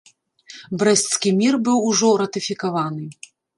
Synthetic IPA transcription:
bɾɛsʲt̪skʲimʲirbɨwuʐɔɾɐt̪ɨfʲikavanɨ

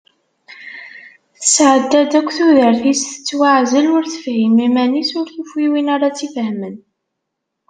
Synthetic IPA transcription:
θəsʕəd̪ːæd̪ækʷːθuðəɾθisθə̥t͡sːwaʕzəlʊɾθə̥fhimimænisʊɾθufiwinaɾat͡sːifhmən

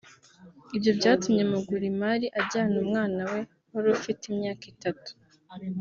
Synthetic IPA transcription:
ibjo̞bɟaːtumɲe̞muɡuɾimaɾiʔaɟaːnumŋaːnawe̞ | hoɾufitimɲaːkitatu̥

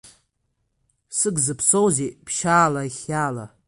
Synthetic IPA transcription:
sɨɡzɨpʰsowzepʰʃaːlaiχʲaːla̰

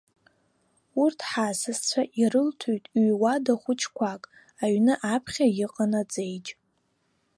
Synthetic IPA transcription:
urtʰħasɨzt͡ɕʷʰaʔirɨltʰujtʼɥwadaχʷʊt͡ʃʰkʷʰakʼ | aɥnɨʔapʰχʲajɪqʼanad͡zʼejt͡ʃʼ

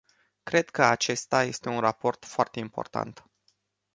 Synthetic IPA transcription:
kɾe̞d̪kəat͡ʃe̞st̪aje̞st̪e̞unrapo̞rt̪foart̪e̞impo̞̰rt̪a̰nt̪

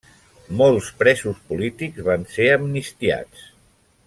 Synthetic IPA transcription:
molˠspɾɛzuspulit̪ikzβanseəmnist̪ia̰t͡s

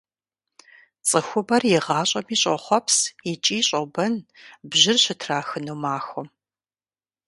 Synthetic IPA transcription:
t͡sʼɨxʷʊbɐrjɪʁɑːɕʼɐmiːɕʼɐ̰χʷɔpsit͡ʃʼiːɕʼɐbɐnbʑɪrɕɪtʰraːxɨnuːmaːxʷɔ

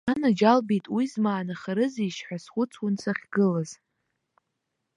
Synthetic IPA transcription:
anad͡ʒalbejtʼwizmaːnaχaɾɨziʃħʷasχʷʊt͡sʰwʊnsʰaχʲɡɨlaz

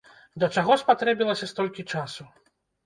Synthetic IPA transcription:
d̪ɐt͡ʂaɣɔspat̪ɾɛbʲilˠɐsʲɐst̪ɔlʲkʲit͡ʂasu

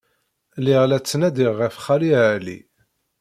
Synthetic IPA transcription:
liʁlæt͡sːnæd̪iʁːəfχaliʕlḭ

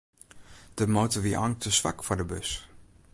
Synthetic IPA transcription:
d̥əmoːtəʋiʔɑŋtəsʋa̰kfɔdəbøs

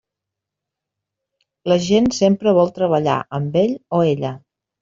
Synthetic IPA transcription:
ləʒensempɾəβ̞ɔlˠt̪ɾəβ̞əʎa̰ʔəmbeʎoeʎə

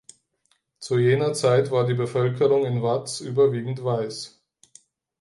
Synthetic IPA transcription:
t͡sujeːnɐt͡saɪtv̥aːɐdiːbəfœlkʰəʁʊŋɪnvat͡sʔyːbɐviːɡŋ̩tv̥aɪs

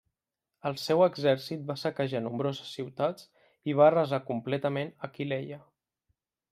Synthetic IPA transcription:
əlˠsɛwəɡzɛɾsit̪̚basəkəʒanumbɾozəsːiwt̪at͡s | iβ̞arəzakumplɛt̪əmenəkileʎə

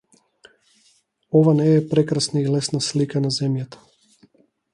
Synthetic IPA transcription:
ɔvanɛːpɾɛkɾasnailɛsnaslikanazɛmjat̪ḁ

